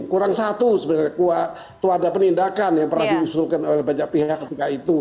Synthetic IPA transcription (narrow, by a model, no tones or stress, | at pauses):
kuɾaŋsat̪usəbənarɲakua | t̪uadapənindakanjaŋpərnahdiusʊlkanolɛhɦbad͡ʒak̚piɦakːət̪ikait̪u